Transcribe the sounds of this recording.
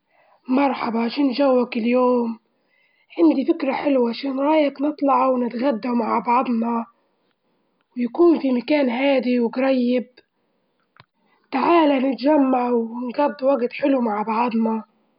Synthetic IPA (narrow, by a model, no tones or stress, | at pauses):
mɑɾˤħɑbɑʕaʃaːnːʒawːakɪljoːm | ʕand̪ifɪkɾaħɪlwaʕaʃaːnɾˤɑːjɪknɨt̪ˤlɑʕwnɪt̪ɣad̪ːawmaʕbɑʕd̪ˤnɑ | wjakuːnfimakaːnɦaːd̪iwɡɾˤɑjːɪb̚ | t̪aʕaːlanɪt̪ʒamːaʕwɪnɡɑd̪ˤːwaɡt̪ħɪlumaʕbɑʕd̪ˤnɑ